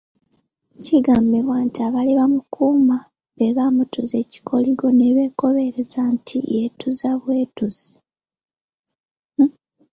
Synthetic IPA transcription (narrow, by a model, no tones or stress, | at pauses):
ciɡambeβwaːntiaβaliβamukʰuːma | βe̞βamutuze̞ci̥kʰo̞liɡo̞neβe̞ːko̞βe̞ɾezantʰḭjetuzaβwe̞ːtuz̥i